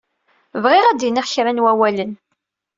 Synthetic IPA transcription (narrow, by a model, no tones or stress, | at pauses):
vʁɪʁæd̪iniʁçɾænwæwælən